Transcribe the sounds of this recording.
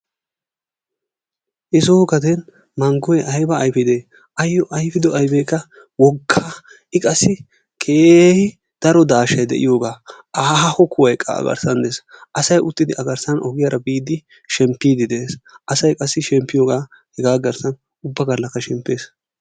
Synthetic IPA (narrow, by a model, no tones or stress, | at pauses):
ʔɪsoːɡɐd̪ɛn | mɐŋɡɔjɛʔɐjbɐːjfɪd̪eː | ɐjːɔʔɐjfɪd̪ɔʔɐjbejkːɐ | wɔɡːa | ɪkʼɐsːɪ | kʰeːhɪ | d̪̥ɐɾɔd̪aːʃɐjd̪ɛ̰ʔɪ̰jo̞ːɡaː | aːhɐhɔkʊwɐjkʼːɐ̰ɐ̰ɡɐ̰ɾsɐnd̪esʔɐsɐjʊt̪ːɪd̪ɪʔɐɡɐɾsɐnʔɔɡɪjaɾɐbiːd̪ɪ | ʃɛmpːiːd̪ɪd̪eːsɐsɐjkʼɐsːɪʃɛmpːɪjo̞ːɡaː | hɛɡaːɡɐɾsɐn | ʊbːɐɡɐlːɐkːɐʃɛmpːe̞ːs